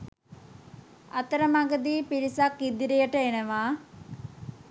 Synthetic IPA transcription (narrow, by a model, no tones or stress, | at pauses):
ɐt̪əɾəmaɡəd̪iːpiɾisakid̪iɾijəʈəenəʋaː